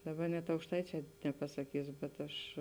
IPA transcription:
ˈdɑːˌbɐ nʲɛt ɐʊkʃˈtɐɪt͡ʃʲɛː nʲɛpɐsɐˈkʲiːs bʲɛt ˈɐʃ

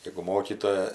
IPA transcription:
jɛɡʊ ˈmoːkʲiːtoːjɛ

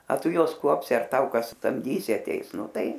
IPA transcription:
ɐ ˈtʊ ˈjuɔs ˈkuɔpʲsʲɪ ɐr ˈtɐʊ ˈkɐs sɐmʲˈdʲiːsʲɪ ɐˈtʲɛɪs ˈnʊ ˈtɐɪ

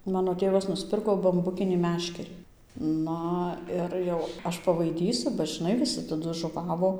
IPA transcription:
ˈmɑːnoː ˈtʲeːʋɐs nʊsʲˈpʲɪrkoː bɐmˈbʊkʲɪnʲiː ˈmʲæːʃʲkʲɛrʲiː ˈnɐ ɪr jɛʊ ˈɐʃ pɐʋɐɪˈdʲiːsʊ bɐ ʒʲɪˈnɐɪ ʋʲɪˈsʲɪ tɐˈdʊ ʒʊˈʋɑːʋoː

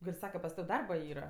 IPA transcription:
ˈɡɐlʲ ˈsɑːkɐ pɐs ˈtɐw ˈdɐrbɐ ˈiːrɐ

